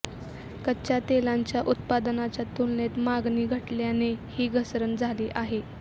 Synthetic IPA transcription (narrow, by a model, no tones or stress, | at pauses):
kəɕjat̪elaɲt͡ɕjaʔut̪̚pad̪nat͡ɕjat̪ulnet̪maɡniːɡʱəʈljanehiːɡʱəsɾənd͡zʱaliːʔaɦe